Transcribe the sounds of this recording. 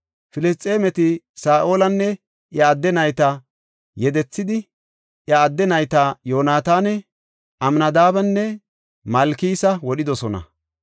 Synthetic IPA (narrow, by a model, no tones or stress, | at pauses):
fɪlɪst̪ʼːe̞ːmɛt̪ɪ | saːʔo̞ːlɐnːɛ | ʔjɐːd̪ːɛnɐjt̪ɐ | jɛd̪ɛt͡sːɪd̪ɪ | ʔjɐːd̪ːɛnɐjt̪ajoːnaːt̪aːnɛ | ʔɐmnɐd̪aːbɐnːɛ | mɐlkiːsɐwɔɗɪd̪ɔsɔnɐ̰